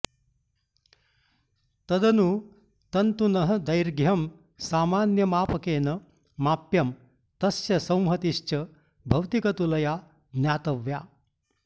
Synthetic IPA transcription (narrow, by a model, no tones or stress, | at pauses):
t̪ɐd̪ɐnu | t̪ɐnt̪unɐɦɐd̪ɐjɾɡjɐm | saːmaːnjɐmaːpɐkeːnɐ | maːpjɐm | t̪ɐsjɐsɐ̃w̃mɦɐt̪iʃt͡ʃɐ | bʱɐwt̪ikɐt̪ulɐjaː | njaːt̪ɐʋja̰ː